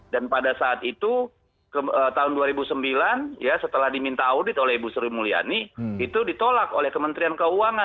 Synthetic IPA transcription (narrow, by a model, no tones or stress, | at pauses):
danpadasaːt̪it̪u | kəət̪aɦʊnduaɾibusəmbilanjasət̪əlahdimint̪aːudɪt̪olɛhbusuɾimulia̰niːt̪udit̪olako̰lɛhkəmənt̪ɾiankəuaŋa